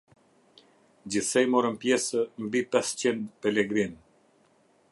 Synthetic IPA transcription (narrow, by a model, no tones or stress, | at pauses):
d͡ʑiθsɛjmɔɾənpjɛsəmbipɛst͡ɕind̪pɛlɛɡɾin